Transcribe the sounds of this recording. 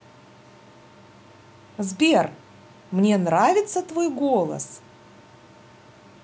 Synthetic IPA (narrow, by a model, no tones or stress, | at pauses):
zbʲer | mnʲenɾavʲɪt̪sːət̪vojɡolˠə̰s